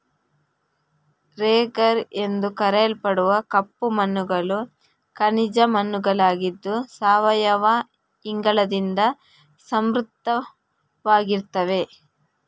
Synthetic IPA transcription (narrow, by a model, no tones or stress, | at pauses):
ɾeːɡɐɾe̞nd̪ukɐɾɛɐlpɐɽuʋɐkɐpːumɐnːuɡɐɭu | kɐnid͡ʒɐmɐnːuɡɐɭaːɡid̪ːusaːʋɐjɐʋa | iŋɡɐɭɐd̪ind̪ɐ | sɐmɾut̪ːɐ | ʋaːɡiɾt̪ɐʋe̞